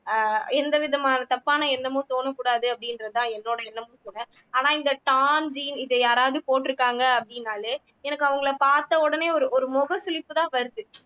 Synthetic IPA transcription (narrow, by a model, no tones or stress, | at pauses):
ɛnd̪ɐʋɪðɐmaːnɐt̪ɐpːaːnɐɛnːɐmõːt̪oːnɐkːuːɽaːðɯɐpːɐɽɪnɾɐðɯt̪ãːɛnːoːɽɐɛnːɐmõːt̪oːnɐ | aːnãːɪnd̪ɐʈaːnd͡ʒiːnɪðɐjaːɾaːʋðɯpoːʈːɪɾɯkːaːŋɡɐɐpːɐɽɪnːaːlɯ | ɛnɐkːɯɐʋɐŋɡɐɭɐpaːɾt̪ɐɔɽɐneːɔɾɯʔɔɾɯmɔɣɐsʊlɪpːɯt̪ãːʋɐɾɯðɯ